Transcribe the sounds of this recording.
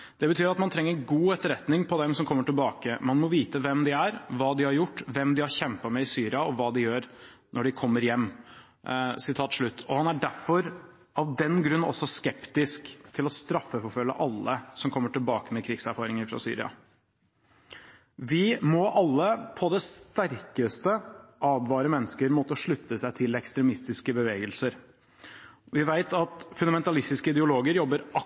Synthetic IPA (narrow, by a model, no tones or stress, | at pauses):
d̪̥ɛbət̪ʰyːɾɑt̪mɑnt̪ʰɾɛŋːəɾɡuːɛt̪ːəɾɛt̪nɪŋpʰɔd̪ɛmsɔmkʰɔmːəʈɪlbɑːkəmɑnmɔʋiːt̪əʋɛmd̪ɪæɾʋɑːd̪ɪhɑɾjʊʈːʋɛmd̪ɪhɑɾçɛmpɑmɛɪsyːɾɪɑɔʋɑːd̪ɪjøːɾ | nɔɖɪkʰɔmːəɾjɛmː | sɪt̪ʰɑːt̪ʂɭʉt̪ːɔhɑnæɖæɾfɔɾ | ʔɑʋd̪ɛnɡɾʉnːɔ̰sːɔskɛpt̪ɪskt̪ʰɪlɔst̪ɾɑfːəfɔɾfœlːə̰ʔɑlːəsɔmkʰɔmːəʈɪlbɑːkəmɛkʰɾɪɡsæɾfɑːɾɪŋəɾfɾɑ̰sy̰ːɾɪ̰ɑ̰ | ʋɪmɔʔɑlːəpʰɔd̪ɛst̪æɾkəst̪əʔɑːʋʋɑːɾəmɛnːəskəɾmoːt̪əʂɭʉt̪ːəsæɪt̪ʰɪlɛkst̪ɾɛmɪst̪ɪskəbəʋeːɡəlsəɾ | ʋɪʋæɪt̪ɑt̪fʉnɑmɛnt̪ɑlɪst̪ɪskəɪd̪ɛʊloːɡəɾjɔbːəɾɑ